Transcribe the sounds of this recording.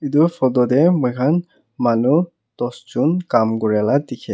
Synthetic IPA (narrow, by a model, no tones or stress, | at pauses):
idufʰɔdɔdɛmɔkʰan | manu | tɔsd͡ʒunkamɡɔɹɛlat̪ikʰɛ